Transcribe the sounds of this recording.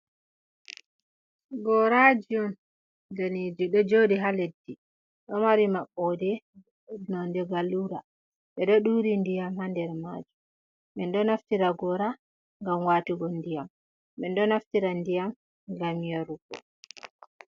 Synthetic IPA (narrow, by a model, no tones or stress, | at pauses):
ɡɔɾad͡ʒijɔn | danid͡ʒiɗɔd͡ʒodiɦaledːi | ɗɔmaɾimaɓːɔdɛ | nɔndɛɡaluɾa | ɓɛɗɔɗuɾindijamhandɛɾma̰d͡ʒum | mɛndɔnaftiɾaɡɔɾa | ŋɡamwatiɡɔndijamː | ɛndɔnaftiɾandijam | ɡamijaɾuɡɔ̰